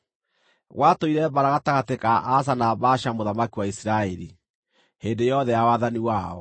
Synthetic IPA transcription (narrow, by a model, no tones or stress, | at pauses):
ɣwʔatoiɾɛbaɾaɣataɣatekaʔːs̬anabaʃamoðamakiwaisiɾaɛɾi | hendejɔðɛjawaðaniwaɔ̰